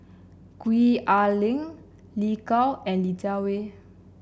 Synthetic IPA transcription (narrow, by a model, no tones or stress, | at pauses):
kwiʔalɪ̃ŋ | likalɛ̃nlit͡ʃawe